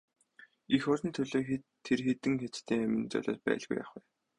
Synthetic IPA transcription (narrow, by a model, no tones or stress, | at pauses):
ixɔɾʲɞ̆nt̪ʰɵɮoːxt̪ʰːerxet̪ɘ̆ŋxet͡st̪ʰeːŋæmʲɪ̆nt͡sœ̰ɮʲɔ̰ːt̪̚pæ̰ːɮɣṵja̰χwæː